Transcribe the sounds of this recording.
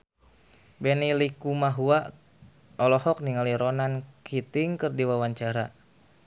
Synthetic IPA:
bɛnilikumaɦua | ɔlɔhɔk̚niŋaliɾɔnankʰit̪iŋkɨrdiwawaɲt͡ʃaɾa

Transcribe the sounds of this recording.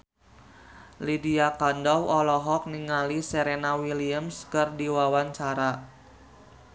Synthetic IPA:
lidiakandɔwɔlɔɦɔk̚niŋaliseɾenawiliəmskərdiwawaɲt͡ʃaɾa

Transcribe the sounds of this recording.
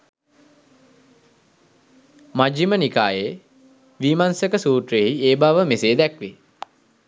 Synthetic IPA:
mad͡ʒimənikaːje | ʋiːmansəkəsuːʈreɦieːbaʋəmeseːd̪ɛkʋe

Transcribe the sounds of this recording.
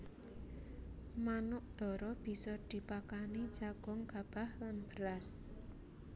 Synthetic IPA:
manʊʔd̪̥ɔ̤ɾɔb̥i̤sɔd̪̥i̤pakani̥d͡ʒ̥aɡ̥ɔ̤ŋɡ̥a̤b̥ahlanb̥ə̤ɾas

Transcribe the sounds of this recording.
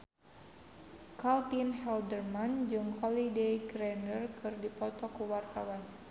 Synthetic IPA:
kalt̪inhɛldərmand͡ʒɨŋhɔlidejɡɾɛnərkɨrdipɔt̪ɔkuwart̪awan

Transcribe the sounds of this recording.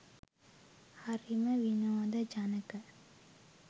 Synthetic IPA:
hɐɾimɐʋinoːd̪ɐd͡ʒɐnɐkɐ

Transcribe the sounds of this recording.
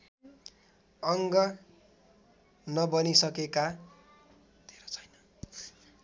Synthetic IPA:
ʌŋɡʌ | nʌbʌnisʌkeka | d̪̥ʱeɾot͡sʰʌ̥jnʌ

